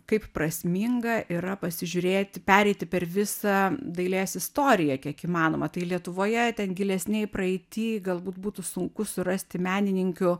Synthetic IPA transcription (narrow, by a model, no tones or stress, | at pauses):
kɐɪpprɐsʲmʲiŋɡɐʔiɾɐpɐsʲɪʒʲʊɾʲeːt̪ʲpʲæːɾʲɛɪt̪ʲɪpʲɛrʋʲɪsɐd̪ɐɪlʲeːsɪst̪oːɾʲɪjɛkʲiɛkiːmɑːnoːmɐt̪ɐɪlʲiɛt̪ʊʋoːjɛt̪ʲɛnɡʲɪlʲɛsʲnʲɛɪpɾɐɛɪt̪ʲiːɡɐlˠbuːt̪buːt̪ʊsʊŋkʊsʊɾɐsʲt̪ʲɪmʲæːnʲɪnʲɪŋʲkʲʊ